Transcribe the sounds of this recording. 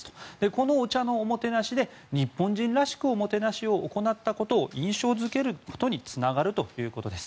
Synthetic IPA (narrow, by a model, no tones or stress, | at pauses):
st̪o̥d̪̥e̞ko̞no̞ːt͡ɕano̞ːmo̞t̪e̞naɕid̪e̞ | ɲ̟ipːõ̞ɲ̟d͡ʑĩnɾaɕi̥kɯ̟omo̞t̪e̞naɕio̞ʔːko̞nat̪ːako̞t̪o̞ːʔĩɰ̃ɕo̞ːzɨke̞ɾɯ̟ko̞̥t̪o̞ɲ̟it͡sɨnaɡaɾɯ̟t̪o̞jɯ̟ːko̞t̪o̞d̪e̞sɨ̥